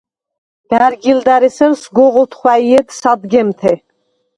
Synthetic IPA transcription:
d̪̥æɾɡild̪æɾɛsəɾsɡɔʁɔt̪ʰχwæiɛd̪sad̪ɡɛmt̪ʰɛ

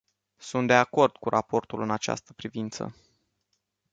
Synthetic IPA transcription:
sunt̪̚d̪e̞ako̞rd̪̥kuɾʔapo̞rt̪ulɨnat͡ʃa̰st̪ə̥pɾivint̪sə̰

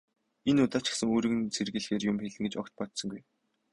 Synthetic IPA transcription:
enʊt̪aːt͡ɕɪ̥̆sə̆ŋoːɾɘ̆ɣɘ̆nt͡sʰerɣɘ̆ɮxeːrjʊmxeɮɘ̆ŋɡet͡ɕɔkt̪̚pɔt̪sɞ̆ŋɡuj

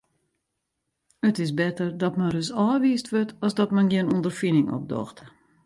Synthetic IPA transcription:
ətɪsbɛtərdɔtmɛrəsɔːʋiːstʋøtʰɔsdɔtmɛnɡɪənundərfinɪŋɔ̰p̚dɔ̰xt

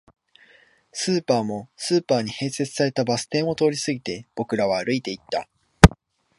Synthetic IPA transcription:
sɨːpaːmo̞sɨːpaːɲ̟ihe̞ːse̞t͡sɨ̥saɾe̞t̪abasɨ̥t̪ẽ̞ɰ̃o̞t̪o̞ːɾʲisɨɡʲit̪e̞b̥o̞kɯ̟ɾaβaːɾɯ̟it̪e̞it̪ːa

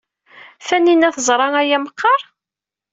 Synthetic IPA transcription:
θænːinæθəzˤɾˤɑæjæməqːɑɾˤ

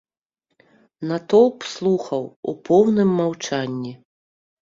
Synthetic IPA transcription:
nat̪ɔw̪ˠpslˠuxɐwupʰɔwnɨmːawt͡ʂanʲːi

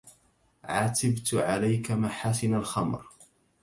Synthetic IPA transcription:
ʕat̪ɪbt̪ʕalajkamaħaːsɪnalxamɾ

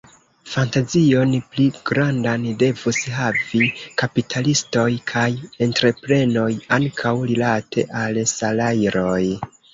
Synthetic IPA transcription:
fantazio̞npliɡ̥ɾandande̞vusɦavikapitʰalisto̞jkʰaje̞ntɾe̞pɾe̞no̞jaŋkʰawɾilatʰe̞̰ʔalsalajɾo̞j

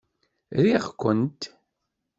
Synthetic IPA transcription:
ɾiʁkʷːənt̪

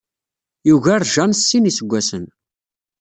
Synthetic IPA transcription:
juʝæɾˤʒɑnsːinisəɡʷːæsən

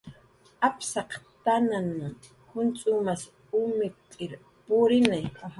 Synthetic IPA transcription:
apsɑqt̪anan | hʊnt͡sʼʊmas | ʊmɪkʼɪɾ | pʊɾɪnajka

